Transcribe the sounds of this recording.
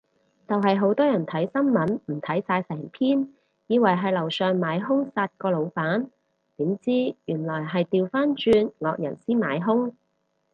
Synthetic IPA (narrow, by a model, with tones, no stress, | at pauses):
t͡sɐ˨wɦɐ˨jɦo˨˥wt̪ɔː˥jɐ˨˩nt̪ʰɐ˨˥jsɐ˥nmɐ˨˥nm̩˨˩t̪ʰɐ˨˥jsaː˧jsɛː˨˩ŋpʰiː˥n | jiː˨˧wɐ˨˩jɦɐ˨˧jlɐ˨˩wsœː˨˧ŋmaː˨˧jɦʊ˥ŋsaː˧t̚kɔː˧lo˨˧wpaː˨˥n | t̪iː˨˥mt͡siː˥jyː˨˩nlɔː˨˩jɦɐ˨jt̪iː˨wfaː˥nt͡ʃyː˧nŋɔː˨˧k̚jɐ̰˨˩nsiː˥ma̰ː˨˥jɦʊ˥ŋ